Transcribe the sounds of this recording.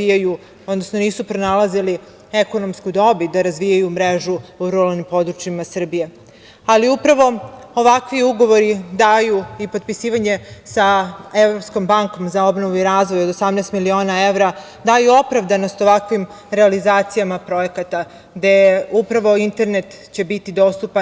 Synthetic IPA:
ijaju | od̪nosnoniːsupɾo̞nalazili | eko̞nomskud̪o̞bid̪aɾazʋijajumɾe̞ʒuuɾualnimpo̞d̪ɾut͡ʃimasr̩bije̞ | aliupɾaʋo̞oʋakʋiuɡo̞ʋo̞ɾid̪aːjuipo̞d̪̚pisiːʋaɲe̞saevɾo̞psko̞mbaŋko̞mzao̞bnoʋuiɾaːzʋo̞jod̪osamnɛst̪milio̞ːnae̞vɾa | d̪ajuo̞pɾaʋd̪ano̞st̪o̞ʋakʋim | ɾealizaːt̪sijamapɾo̞je̞kat̪a | ɡd̪e̞upɾaʋo̞int̪e̞ɾne̞t̪ | t͡ɕe̞bit̪id̪o̞st̪upa

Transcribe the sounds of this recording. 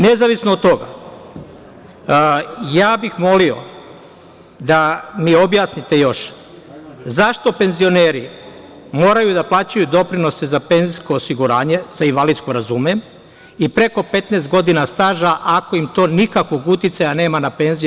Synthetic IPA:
ne̞zaʋisnoːd̪t̪o̞ɡa̰ | jaːbixmo̞lio̞̰ | d̪amio̞bjaːsnit̪e̞jo̞ʃ | zaʃt̪o̞pe̞nzio̞neːɾi | mo̞ːɾajud̪aplˠaːt͡ɕujud̪o̞pɾino̞sezape̞nzisko̞ːsiɡuɾaːɲe̞z̥ainʋalid̪sko̞ɾazume | ipɾe̞ko̞pe̞t̪neːst̪̚ɡo̞d̪inast̪aːʒaʔako̞imt̪o̞ːnikakʋo̞ɡut̪jit̪sajane̞ːmanape̞nzi

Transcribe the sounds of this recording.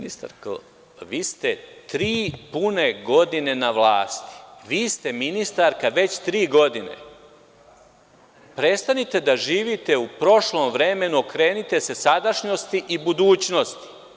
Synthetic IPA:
nist̪a̰ɾk | ʋiːst̪e̞t̪ɾiːpune̞ɡo̞d̪inenaʋlaːst̪i̥ʋiːst̪e̞minist̪aɾkaʋe̞t͡ɕt̪ɾiːɡo̞d̪ine̞̰ | pɾe̞t̪st̪anit̪e̞d̪aʒiːʋit̪e̞upɾo̞ʃlˠo̞mʋɾe̞me̞nuokɾe̞ːnit̪e̞se̞sad̪aʃɲo̞st̪iʔibud̪uːt͡ɕno̞st̪i̥

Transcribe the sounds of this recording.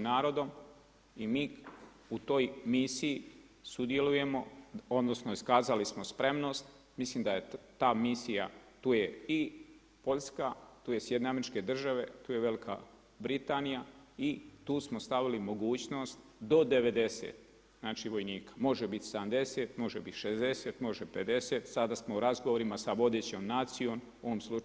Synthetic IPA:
naːɾo̞d̪o̞m | imiː | ut̪o̞ːjmisiji | sud̪je̞luje̞mo̞o̞d̪no̞snoiskaːzalismo̞spɾe̞mno̞ːst̪ | mislimd̪ajet̪aːmisija̰t̪uːjei | po̞ʎʲskat̪uːje̞sjd̪ne̞ameɾit͡ʃke̞d̪r̩ʒaʋe̞t̪uːje̞ʋe̞likʰa̰ | bɾit̪aːnijait̪uːsmo̞st̪aʋilimo̞ɡuːt͡ɕno̞ːst̪d̪o̞d̪e̞ʋe̞d̪e̞sḛːt̪ | znaːt͡ʃiʋo̞jniːkḁmo̞ʒebit̪seamd̪e̞seːt̪mo̞ʒebit̪ʃezd̪e̞set̪mo̞ʒepe̞d̪e̞set̪sad̪asmo̞uɾazɡoʋoɾimasaʋo̞d̪e̞ːt͡ɕo̞mnaːt̪sijo̞m | oʋomslˠu

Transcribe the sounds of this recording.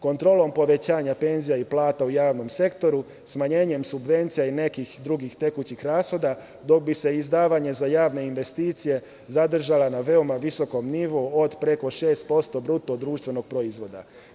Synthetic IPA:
ko̞nt̪ɾo̞ːlˠo̞mpo̞ʋe̞t͡ɕaːɲape̞nzijaiplˠaːt̪aujaːʋno̞mse̞kt̪o̞ɾu | smaɲe̞ːɲe̞msubʋe̞nt̪sijaine̞kixd̪ɾuɡixt̪e̞kut͡ɕixɾaːsxo̞d̪a | d̪o̞k̚bise̞izd̪aːʋaɲe̞zajaːʋne̞inʋe̞st̪iːt̪sije̞ | zad̪r̩ʒalanaʋe̞o̞maʋiso̞ko̞mniʋood̪pɾe̞ko̞ʃe̞ːst̪̚po̞st̪o̞bɾut̪o̞d̪ɾuːʃt̪ʋe̞no̞ɡ̥̚pɾo̞izʋo̞d̪a̰

